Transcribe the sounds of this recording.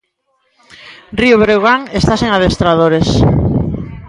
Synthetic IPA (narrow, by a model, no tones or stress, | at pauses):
rioβɾeɣaŋest̪aseŋaðest̪ɾaðoɾes